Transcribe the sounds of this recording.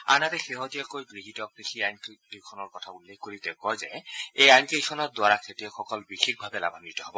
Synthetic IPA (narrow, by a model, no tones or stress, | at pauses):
a̰natɛxeɦɔtijɔkojɡɹiɦitɔkɹixʰiajnkiikʰɔnɔɹkɔtʰaulːexkoɹitɛʊkɔjzɛejajnkiikʰɔnɔtdʊaɹakʰetijɔxɔkɔlbixʰik̚bʱabɛla̰bʱanitɔɦɔbɔ